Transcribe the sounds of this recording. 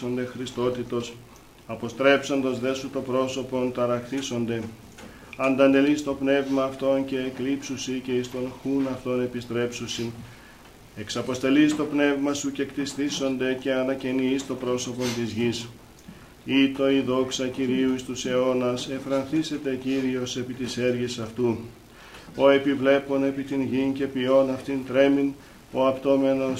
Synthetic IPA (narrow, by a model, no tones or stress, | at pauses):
o̞nd̪e̞xɾist̪o̞t̪it̪o̞s | ɐpo̞st̪ɾe̞pso̞nd̪ɐzðe̞sut̪o̞pɾo̞so̞po̞nt̪ɐɾɐkt̪iso̞nd̪e̞ | ɐnd̪ɐnd̪e̞list̪o̞pne̞vmɐːft̪o̞nce̞ːklipsusice̞ist̪o̞nxunɐft̪o̞ne̞pist̪ɾe̞psusin | e̞ksɐpo̞st̪e̞list̪o̞pne̞vmɐsuce̞kt̪ist̪iso̞nd̪e̞ce̞ɐnɐcenist̪o̞pɾo̞so̞po̞nt̪izʝis | it̪o̞iðo̞ksɐciɾiuist̪use̞o̞nɐse̞fɾɐnθise̞t̪e̞ciɾio̞se̞pit̪ise̞ɾʝesɐft̪u | o̞e̞pivle̞po̞ne̞pit̪inʝince̞pio̞nɐft̪int̪ɾe̞min | o̞ɐpt̪o̞me̞no̞